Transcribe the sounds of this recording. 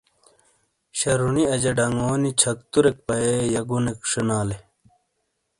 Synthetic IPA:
ɕɐɾuniɐd͡ʑɐɖɐŋoːnit͡ɕʰɐk̚t̪uɾek̚pɐejɐɡunekʂinaːle

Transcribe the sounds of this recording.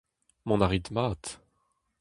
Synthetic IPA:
mɔ̃naʁit̪maːt̪

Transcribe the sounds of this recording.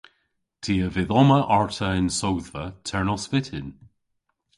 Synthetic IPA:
tʰiəvɪðɔməʔaɹtʰəɪnsowðvətʰɛɹnɔspɪtʰɪn

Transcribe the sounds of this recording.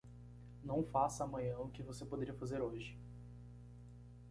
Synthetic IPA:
nɐ̃w̃fasɐaːmɐ̃ɲɐ̃ʊkɪvosepod̪eɾiɐfazeɾoʒɪ

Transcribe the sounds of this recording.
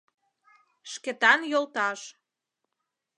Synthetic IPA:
ʃkĕt̪ɑnjolt̪ɑʃ

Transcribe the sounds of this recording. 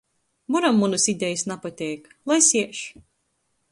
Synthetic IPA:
muɾamːunusid̪ʲɛjɨsnapat̪ʲɛjk | lˠajsiɛʃ

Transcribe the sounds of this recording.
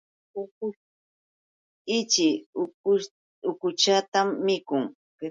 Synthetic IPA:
ʊkʊ | ɪt͡ʃɪ | ʊkʊt͡ʃat̪amːɪkʊŋ | k

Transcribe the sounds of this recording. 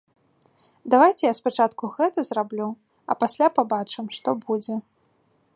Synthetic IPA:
d̪avajt͡sʲɛjaspat͡ʂat̪kuɣɛt̪ɐzrablʲu | ɐ̰pasʲlʲapabat͡ʂɨmʂt̪ɔbud͡zʲɛ

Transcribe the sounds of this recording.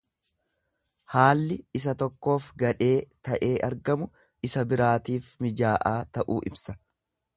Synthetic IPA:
haːlːɪɪsɐt̪ɔkːo̞ːfɡɐᶑe̞ːt̪ɐʔe̞ːʔɐɾɡɐmʊ | ɪsɐbɪɾaːt̪iːfmɪd͡ʒaːʔaːt̪ɐʔṵːʔɪ̰bsɐ

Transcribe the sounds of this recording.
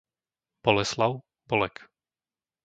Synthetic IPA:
b̥ɔlɛslaʊ | b̥ɔlɛk

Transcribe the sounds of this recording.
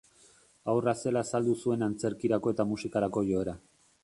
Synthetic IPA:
awrase̞laːsald̪usue̞nant͡se̞ɾkiɾako̞e̞t̪amusikaɾako̞ʝo̞eɾa

